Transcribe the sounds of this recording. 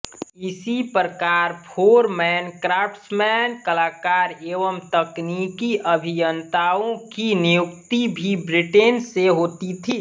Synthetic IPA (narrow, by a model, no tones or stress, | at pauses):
ɪsipɾəkaɾpʰoːɾmɛnkɾapsmɛnkəlaːkaːɾeːʋəmt̪əknikiʔəbʱijənt̪aõkinijʊk̚tt̪ibʱibɾɪʈenseɦoːt̪it̪ʰiː